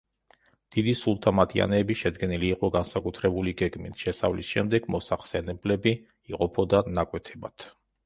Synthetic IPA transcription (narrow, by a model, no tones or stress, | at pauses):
d̪̥id̪isulˠt̪ʰamat̪ʰia̰nɛːbiʃɛd̪ɡɛniliːqʼɔɡansakʼut̪ʰɾɛbuliɡɛɡmit̪ʰʃɛsa̰vlisʃɛmd̪ɛɡ̥mɔsaχsɛnɛblɛbi | iqʼɔpʰɔd̪anakʼwɛt̪ʰɛbat̪ʰ